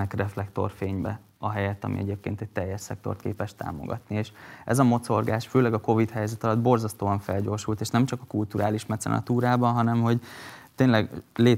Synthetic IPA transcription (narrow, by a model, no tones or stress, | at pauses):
ɛkrɛflɛkt̪o̞̰rfeːɲbɛ | ɒɦɛjɛt̪ːɒ̰mʔḭʔɛɟeːp̚kḛːnt̪ɛɟ̚t̪ɛjːɛʃsɛ̰k̚t̪o̞̰rt̪kḛːpɛʃt̪a̰ːmo̰ɡɒ̰t̪nieːʃɛ̰zɒmo̞t̪so̞rɡaːʃføːlɛɡɒko̞vit̪hɛjzɛt̪ɒlɒd̪bo̞rzɒst̪oːɒɱfɛlɟo̞ːrʃult̪eːʃnɛmt͡ʃɒkɒkult̪uɾaːliʃmɛt̪sɛ̰nʔɒ̰t̪uːɾaːbɒnɦɒnɛmho̞ɟt̪eːnlɛɡleː